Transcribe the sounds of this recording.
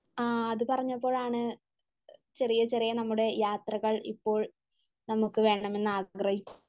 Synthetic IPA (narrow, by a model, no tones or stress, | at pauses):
aːɐðɨpɐrɐɲːɐpːo̞ːɭaːɳɨ | t͡ɕe̞rijɐt͡ɕe̞rijɐnɐmːuɽe̞jaːt̪rɐɣɐɭḭpːo̞ːɭ | nɐmukːɨʋe̞ːɳɐme̞nːɨaːɡrɐhikʲːu